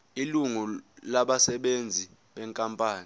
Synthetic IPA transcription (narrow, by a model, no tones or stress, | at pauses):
iluŋulaɓasɛɓend͡zʱi | ɓɛŋkʼampʼaːni